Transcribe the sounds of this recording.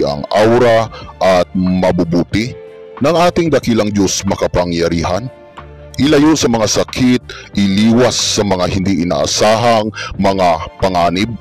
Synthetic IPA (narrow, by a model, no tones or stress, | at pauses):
ʔɐ̰ŋʔawɾaʔɐt̪̚mɐbʊbuːt̪ɪ | nɐŋʔaːt̪ɪŋd̪ɐkilɐŋd͡ʒosmɐkɐpaŋjɐɾiːhan | ʔɪlajonsɐmɐŋasɐkʰit̪̚ʔɪliːwasːɐmɐŋahɪnd̪iʔɪna̰ːʔa̰saːɦaŋmɐŋapɐŋaːnɪb̚